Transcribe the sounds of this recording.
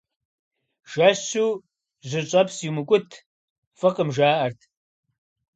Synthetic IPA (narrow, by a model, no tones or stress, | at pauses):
ʒ̥ɐɕuː | ʑʷɨɕʼɐpsimɨkʷʼʊtʰ | fɐqʼəmʒaːʔɐrtʰ